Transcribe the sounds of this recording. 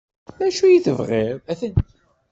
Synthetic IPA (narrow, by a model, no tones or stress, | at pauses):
læʃujiθə̰vʁɪɾæθənt̪